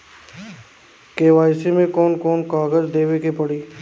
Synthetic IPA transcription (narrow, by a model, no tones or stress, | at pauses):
keːʋaːɪsimẽkɔːnkɔːnkaːɡəd͡ʒd̪eːʋekepɐɽiː